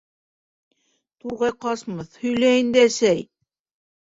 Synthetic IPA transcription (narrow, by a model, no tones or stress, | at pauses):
t̪uɾʁɑjqɑsmɤθhɵ̆jlæind̪æsæj